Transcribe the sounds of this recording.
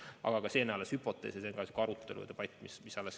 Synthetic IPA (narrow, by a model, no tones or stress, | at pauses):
ɑ̰ɡ̥ɑkɑse̞ːnæɑleshypːˑo̞t̪ːˑe̞̰ːseseŋkɑsekɑɾut̪ˑːe̞lṵḛt̪epɑjt̪ːˑmismisɑlːes